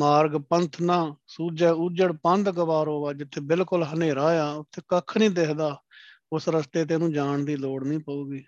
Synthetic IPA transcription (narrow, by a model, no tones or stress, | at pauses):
maːɾɡpənt̪ʰnaːsuːd͡ʒɛːud͡ʒəɽpənd̪ɡəʋaːɾɦoːʋaːd͡ʒɪt̪ʰːeːbɪlkʊlɦəneːɾaːjaːʊt̪ʰːeːkəkʰnĩːd̪ekʰd̪aː | ʊsɾəst̪eːt̪̬eːnũːd͡ʒaːɳd̪iːloːɽnĩːpəuːɡiː